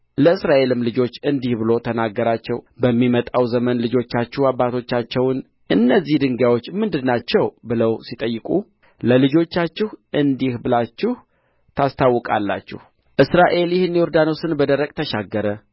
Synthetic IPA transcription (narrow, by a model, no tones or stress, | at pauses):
ləɨsɾaʔe̞lɨmlɨd͡ʒo̞t͡ʃːɨnd̪ihbɨlo̞t̪ʰənaɡːəɾat͡ʃːɛ̰wbəmːimət̪ʼawzəmənlɨd͡ʒo̞t͡ʃːat͡ʃːɛhabːat̪ʰo̞t͡ʃːat͡ʃːɛwn | ʔɨnːəzːihd̪ɨŋɡawo̞t͡ʃːmɨnd̪ɨnːat͡ʃːɛwbɨləwsit̪ʼəjːɨkʼu | ləlɨd͡ʒo̞t͡ʃːat͡ʃːɪhʔɨnd̪ihbɨlat͡ʃːɪh | t̪ʰast̪ʰawːɔkʼa̰lːa̰t͡ʃːɪ̰h | ʔɨsɾaʔe̞ljɪhɨnːjɔɾd̪anosɨnbəd̪əɾəkʼt̪ʰəʃaɡːəɾə